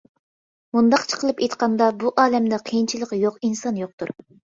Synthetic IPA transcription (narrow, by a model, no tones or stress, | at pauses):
mund̪ɑqt͡ʃʰə̥qʰəlˠɨpejt̪qɑnd̪ɑbuʔɑːlɛmd̪ɛqʰejint͡ʃʰilˠəqjoqinsɑnjoq̚t̪uɾ